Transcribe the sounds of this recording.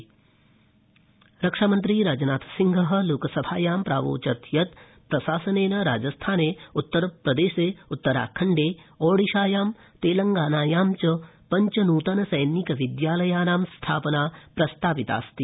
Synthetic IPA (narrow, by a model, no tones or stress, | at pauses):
ɾɐkʂaːmɐnt̪ɾiːɾaːd͡ʒɐnaːt̪ʰɐ̥siŋɡʱɐɦɐ̆loːkɐsɐbʱaːjaːmpɾa̰ːʋo̰ːt͡ʃɐt̪jɐt̪ | pɾɐʃaːsɐneːnɐɾa̰ːd͡ʒɐst̪ʰaːneːut̪ːɐɾpɾɐd̪eːʃeːut̪ːɐɾa̰ːkʰɐɳɖeːoːɽiʃaːjaːm | t̪eːlɐŋɡaːnaːjaːmt͡ʃɐpɐɲt͡ʃɐnuːt̪ɐnɐsɐjnikɐʋid̪jaːlɐjaːnaːmst̪ʰaːpɐnaːpɾɐst̪ʰaːpit̪a̰ːst̪i